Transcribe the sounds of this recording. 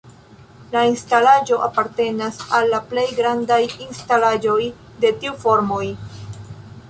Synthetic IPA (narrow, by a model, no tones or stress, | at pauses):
lainstalad͡ʒo̞ʔapaɾte̞nasalːaple̞jɡɾandajinstalad͡ʒo̞j | de̞tiufo̞ɾmo̞j